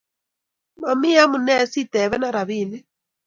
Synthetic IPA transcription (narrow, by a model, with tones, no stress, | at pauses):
ma˨mi˦ja˦mu˨nɛ˦˨˦si˦˨tɛ˨βɛ˦na˦ɾa˨βiː˦˨nɛ˦